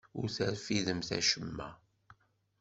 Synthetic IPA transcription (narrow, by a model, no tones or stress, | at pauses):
ʊɾθəɾfiðəmθæ̰ʃəmːæ